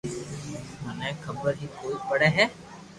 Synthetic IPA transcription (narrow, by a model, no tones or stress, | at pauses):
mənẽkʰəbəɾɦikoːibɐɽeɦɛː